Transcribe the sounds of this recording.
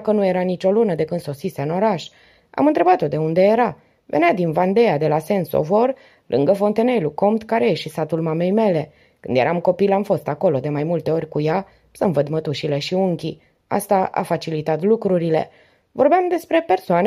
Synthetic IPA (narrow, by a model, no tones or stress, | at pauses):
kənuje̞ɾanit͡ʃo̞lunəd̪e̞kɨnd̪so̞t̪sise̞ɨno̞ɾaʃ | a̰mɨnt̪ɾe̞bat̪o̞d̪e̞und̪e̞je̞ɾa | ve̞̰nʲad̪invand̪e̞ad̪e̞lase̞nso̰vor | lʔɨ̰ŋɡəfo̞nt̪e̞ne̞luko̞mt̪kaɾejeʃisat̪ulmame̞jme̞le̞ | kɨnd̪je̞ɾʔamko̞pilamfo̞st̪ako̞lo̞d̪e̞majmult̪e̞o̞rʲkuja | səmvəd̪mət̪uʃile̞ʃiuŋkʲi | a̰st̪aʔa̰fat͡ʃilit̪at̪lukɾuɾile̞̰ | vo̞rbeamd̪e̞spɾe̞pe̞rsoan